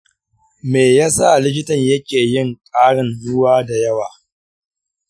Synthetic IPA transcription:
meː˨jaː˦sa˦˨lɪ˦k̬ʲɪ˦tɐ˨ɲjɐ˦kʲeː˨jɪ˦˨ŋkʼaː˦ɽɪ˨nːʊ˦waː˦da˨jɐ˦waː˨

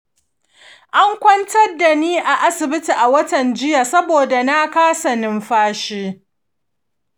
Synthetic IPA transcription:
ʔa˦ŋkʷɐ˦ntɐ˦rda˨niː˦ʔa˨ʔa˦sɪ˨bɪ˦ti˨ʔa˨wɐ˦tɐ˨nd͡ʒɪ˦ja˨sɐ˦boː˨da˨na˦kaː˦sɐ˨nɪ˦mɸaː˦ʃeː˦

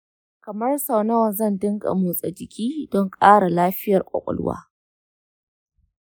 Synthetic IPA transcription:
kɐ˨mɐ˦rsa˨wna˦wzɐ˦˨ndɪ˦ŋɡa̰˨muː˨sʼɛ˨d͡ʒɪ˨kʲʰiː˦dɔ˦ŋkʼaː˦ɽa˨laː˦ɸɪ˦jɐ˨rkʷʼɐ̰˨kʷʼɔ̰˨lʊ̰˦wa̰ː˦

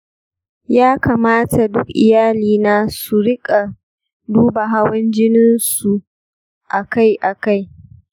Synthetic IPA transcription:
jaː˦kaː˨maː˦ta˨dʊ˦kʔɪ̰˨jaː˦liː˨naː˦su˨ɽɪ˦kʼa˨ | duː˦ba˨ɦa˦wɐ˦nd͡ʒɪ˦nɪ˦nsu˨ | ʔa˨ka˦jʔa˨ka˦j

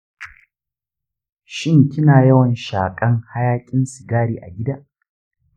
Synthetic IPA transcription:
ʃɪ˦˨ŋkʲɪ˦naː˨jɐ˦wɐ˨nʃaː˨kʼɐ˦ŋha˦jaː˦kʲʼɪ˦nsɪ˨ɡaː˦ɽiː˨ʔa̰˨ɡʲɪ˦daː˦ʔ

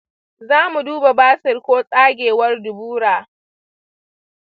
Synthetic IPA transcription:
zaː˦mu˨duː˦ba˨baː˦sɪ˨rkʷoː˦sʼaː˦ɡʲeː˨wɐ˦rdʊ˨buː˦ɽaː˨

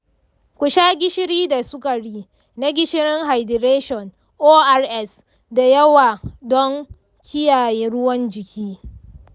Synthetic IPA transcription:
kʷʊ˨ʃaː˦ɡʲɪ˦ʃɪ˦ɽiː˦da˨sʊ˦ka˨ɽiː˦ | na˦ɡʲɪ˦ʃɪ˦ɾɪ˦ŋɦa˨jdɪ˨ɾeː˦ʃɔ˨n | ʔoː˦ʔa˦rʔɛ˦˨s | da˨jɐ˦waː˨dɔ˦ŋ | kʲʰɪ˦jaː˨jeː˦ɽʊ˦wɐ˦nd͡ʒɪ˨kʲiː˦

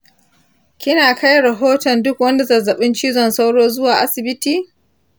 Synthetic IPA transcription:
kʲɪ˦naː˨ka˦jɽɐ˨ɦoː˦tɔ˨ndʊ˦kwɐ˦nda˨zɐ˨zɐ˨ɓɪ˦nt͡ʃiː˦zɔ˨nsa˦wɽoː˦zʊ˦waː˨ʔa˦sɪ˨bɪ˦tiː˨

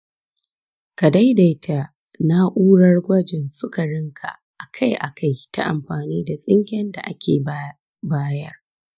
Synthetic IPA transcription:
ka˨da˦jda˨jtʰa˨ | na˦ʔuː˦ɽɐ˦rɡʷɐ˦d͡ʒɪ˨nsʊ˦ka˨ɽɪ˦ŋkʰa̰˨ | ʔa˨kʰa˦jʔa̰˨kʰa˦jta̰˦ʔa˨mɸaː˨niː˦da˨sʼɪ˦ŋkʲɛ˦nda̰˨ʔa̰˦kʲeː˨˦ | baː˦jɐ˦r

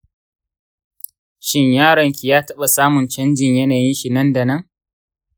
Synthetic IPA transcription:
ʃɪ˦ɲjaː˦ɽɐ˨ŋkʲi˨jaː˦tɐ˦ɓa˨saː˦mʊ˨nt͡ʃɐ˦nd͡ʒɪ˨ɲjɐ˦naː˨jɪ˦nʃi˨nɐ˦nda˨nɐ˦ŋ

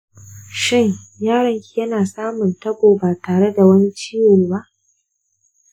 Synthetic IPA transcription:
ʃɪ˦˨ŋjaː˦ɽɐ˦ŋkʲi˨jɐ˦naː˨sʼaː˦mʊ˨ntɐ˦boː˨baː˨taː˨ɽe˦da˨wɐ˦ni˦t͡ʃiː˦wʊ˨ba˦ʔ

